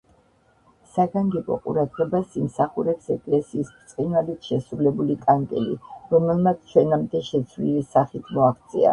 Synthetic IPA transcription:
saɡaŋɡɛbɔ̰qʼṵɾad̪ʁɛbasimsaχuɾɛpsɛkʼlɛsiːsbt̪sʼqʼinalit̪ʰʃɛsɾulɛbulikʼaŋkʼɛ̰lḭɾɔmɛlˠmat̪ʰt͡ʃʰwɛnamd̪ɛʃɛt̪sʰvlilisaχit̪ʰmɔaχt̪sʼḭa̰

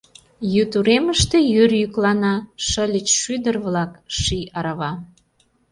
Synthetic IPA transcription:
jyt̪uɾeməʃt̪ejyrjyklɑnɑʃəlʲət͡ɕʃyd̪ərβlɑkʃiɑɾɑβɑ

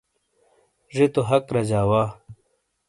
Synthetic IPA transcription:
ʐit̪oɦɐkɾɐd͡ʑaːwaː

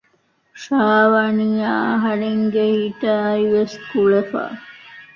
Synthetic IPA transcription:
ʃaːʋɐniaːɦɐɾeŋɡehiʈaːiʋeskuɭefa̰

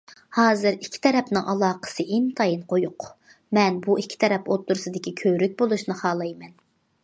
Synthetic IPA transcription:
hɑːzɨɾikʲʰːi̥t̪ʰɛɾɛpnɨŋʔɑlˠɑːqə̥sɨʔint̪ʰɑjinqʰojuq | mɛnbuʔikʲʰːi̥t̪ʰɛɾɛpot̪ːuɾsɨd̪ɪkʲikʲʰøɾyk̚ʲbolˠuʃnɨχɑːlˠɑjmɛn

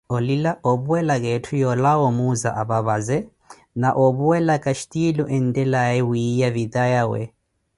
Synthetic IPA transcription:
ɔlilaɔbuɛlakʼɛtʰujɔlaɔmuzaʔaβaβazɛ | naʔɔβuwɛlakʼaʃi̥tʼilɔʔɛn̩dɛlaɛwiijavid̪ajawɛ̰

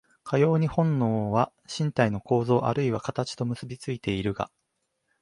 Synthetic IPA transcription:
kʰajo̞ːɲ̟ihõ̞nːo̞ːβa | ɕĩnt̪aino̞ko̞ːzo̞ːʔa̰ɾɯ̟iβakat̪at͡ɕi̥t̪o̞mɯ̟sɨbʲit͡sɨit̪e̞iɾɯ̟ɡa̰

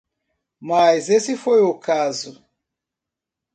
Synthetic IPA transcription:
majzesifojukazu

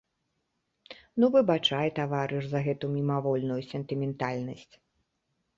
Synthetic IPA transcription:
nuvɨbat͡ʂajt̪avaɾɨʂzɐɣɛt̪umʲimavɔlʲnujusʲɛnt̪ɨmʲɛnt̪alʲnɐsʲt͡sʲ

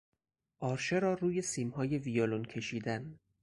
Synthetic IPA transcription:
ʔɒːɾʃeɾɒːruːje̞siːmhɒːje̞vijoloncʲʰe̞ʃiːd̪æn

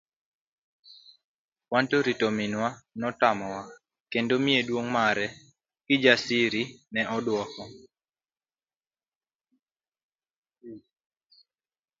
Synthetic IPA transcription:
wantoɾitominwanɔtamɔwa | kendomiedwoŋmaɾɛ | ɡ̥ɪd͡ʒasiɾinɛʔɔdwɔkɔ

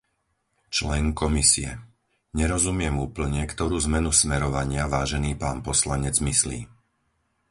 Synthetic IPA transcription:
t͡ʃlɛŋkɔmisḭɛ̰ | ɲɛɾɔzumɪɛmuːpl̩ɲɛkt̪ɔɾuːzmɛnusmɛɾɔʋaɲɪaʋaːʒɛniːpaːnpɔslaɲɛd͡zmislḭː

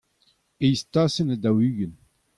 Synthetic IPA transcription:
ejst̪asənad̪awyːɡən

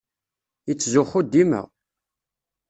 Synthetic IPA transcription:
jət͡sːzʊχʊd̪ːimə̰ʁ

